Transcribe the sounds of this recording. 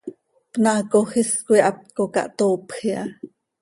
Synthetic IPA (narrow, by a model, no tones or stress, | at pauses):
pnɑːkoxiskuiʔɑp̪̚kokɑ̰ʔt̪oːpxiʔɑ